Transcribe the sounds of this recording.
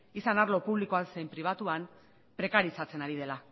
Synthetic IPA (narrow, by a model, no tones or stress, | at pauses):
isanaɾlo̞puβliko̞anse̞jmpɾiβ̞at̪uam | pɾe̞kaɾisat͡se̞naɾið̞e̞la